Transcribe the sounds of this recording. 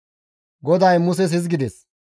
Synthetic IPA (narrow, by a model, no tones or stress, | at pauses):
ɡɔd̪ɐjmʊs̬ɛs̬ɪs̬ɡɪd̪ɛs